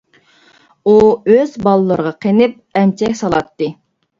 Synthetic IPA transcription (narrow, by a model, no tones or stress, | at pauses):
uøzbɑlˠɨlˠəɾəʁɑqʰenɪp̚ɛmt͡ʃʰɛkʲsɑlˠɑt̪ːɨ